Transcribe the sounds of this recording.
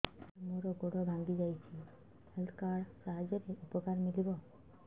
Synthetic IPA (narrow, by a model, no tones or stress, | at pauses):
moɾɔɡoɽɔbʱaŋɡid͡ʒajt͡ʃʰi | elkaɽsaɦad͡ʒɔɾeupɔkaɾmilibɔ